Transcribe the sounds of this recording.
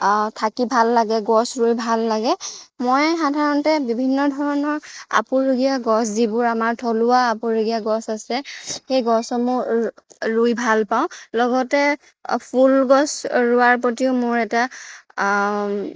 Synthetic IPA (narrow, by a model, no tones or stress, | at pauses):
tʰakibʱalːaɡɛɡɔsɹujbʱalːaɡɛmojxadʱaɹɔntɛbibʱinːɔdʱɔɹɔnɔɹa̰pʊɹuɡijaɡɔszibʊɹamaɹtʰolʊaːpʊɹuɡijaɡɔsasɛxejɡɔsɔmʊ | ɹujbʱalpaʊ̃lɔɡɔtɛ | pʰulɡɔsɹʊaɹpɔtiʊmʊɹɛta